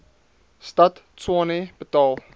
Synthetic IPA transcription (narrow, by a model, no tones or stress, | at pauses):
stɐt | t͡swɔneb̥ətɑːlˠ